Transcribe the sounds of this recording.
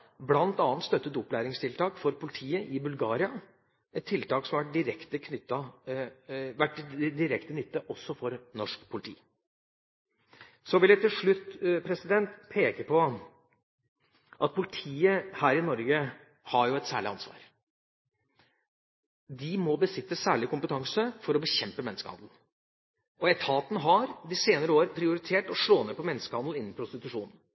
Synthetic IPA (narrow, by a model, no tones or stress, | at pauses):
blɑnt̪ɑːnt̪st̪œt̪ːət̪ʊpːlæːɾɪŋst̪ʰɪlt̪ʰɑːkfɔɾpʰʊlɪt̪ʰiːəʔɪbʉlɡɑːɾɪɑ | ʔɛt̪t̪ʰːɪlt̪ɑːksɔmʋæʈ̚d̪ɪɾɛkt̪əkʰnʏt̪ːɑ | ʋæʈd̪ɪɾɛkt̪ənʏt̪ːɑʔɔsːɔfɔɾnɔʂkpʰʊlɪt̪ʰḭː | sɔʋɪlæt̪ɪlʂɭʉt̪ːpʰɾɛsɪd̪ɛnt̪pʰeːkəpʰɔ | ʔɑt̪̚pʰʊlɪt̪ʰiːəhæːɾɪnɔɾɡə | hɑɾjʊɛt̪sæ̰ːɭɪɑnsʋɑ̰ːɾ | d̪ɪmɔbəsɪt̪ːəsæːɭɪkʊmpət̪ʰɑŋsəfɔɾɔbəçɛmpəmɛnːəskəhɑ̰nd̪ln̩ | ʔɔɛt̪ʰɑːt̪nəɦɑɾd̪ɪseːnəɾəoːɾpʰɾɪʊɾɪt̪ʰeːʈɔʂɭoːneːpʰɔmɛnːəskəhɑnd̪l̩ɪnːn̩pʰɾʊst̪ɪt̪ʉʂuːnən̩